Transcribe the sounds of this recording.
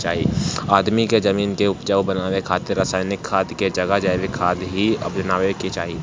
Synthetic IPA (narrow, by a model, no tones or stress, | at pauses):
t͡ʃaːɦiaːd̪mikezɐmiːnkeʊpd͡ʒəʋbɐnaːwekʰaːt̪ɪɾaːsaːɪnɪkʰːaːd̪ked͡ʒɐɡəɦd͡ʒaːʋekʰaːd̪ɦiɐ̰bɐnaːʋekit͡ʃaːɦiː